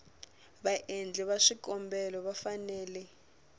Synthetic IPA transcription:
βaʔend͡ɮʱɛβaʂikʼɔmbɛlɔβafanɛːlɛ

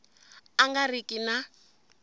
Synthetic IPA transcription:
aŋɡarikʼina

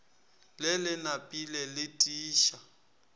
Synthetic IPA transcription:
lɪlɪnapʼilɛlɪtʼiːʃa

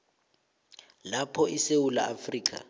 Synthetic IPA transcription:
lapʰɔʔisewula̰afriːkʼa̰

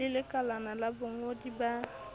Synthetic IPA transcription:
ɪlɪkalanalabʊŋodiba

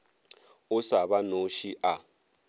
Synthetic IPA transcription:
ʊsaβanoʃiʔa

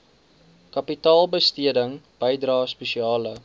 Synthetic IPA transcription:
kɐpitɑːlˠbəstiədəŋb̥əjdrɑːspəʃiɑːlə

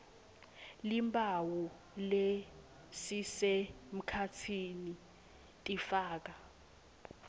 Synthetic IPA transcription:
limbʱawu | le | sisem̩kʰatʰini | tʼifaːk̬a

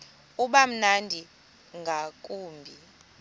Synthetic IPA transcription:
uɓam̩nandʱi | ŋɡʱakʼuːmbʱi

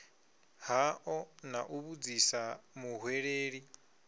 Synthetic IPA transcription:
haʔɔnaʔuβud͡zisamuɦweɺeːɺi

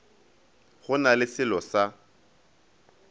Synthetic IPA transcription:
ɣʊnalɪsɪlɔsa

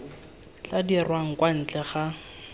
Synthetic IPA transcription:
t͡ɬadirwaŋ̩kwan̩t͡ɬɛχa

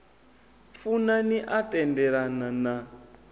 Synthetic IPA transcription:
funaniʔatʼɛndɛɺanana

